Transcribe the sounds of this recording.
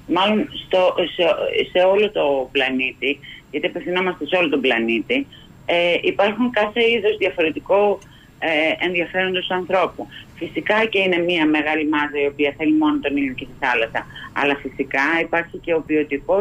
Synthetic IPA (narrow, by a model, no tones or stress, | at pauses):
mɐlo̞nst̪osese̞o̞lo̞t̪o̞plɐnit̪iʝɐt̪iɐpefθinomɐst̪e̞seo̞lo̞t̪o̞blɐnit̪i | eipɐɾxuŋkɐθe̞iðo̞zðjɐfo̞ɾe̞t̪iko | eenðiɐfe̞ɾo̞nd̪osɐnθɾo̞pufisikɐce̞ine̞miɐme̞ɣɐlimɐzɐio̞piɐθe̞limo̞not̪o̞nilocest̪iθɐlɐsɐɐ̰lɐfisikɐipɐɾçice̞o̞pio̞t̪iko̞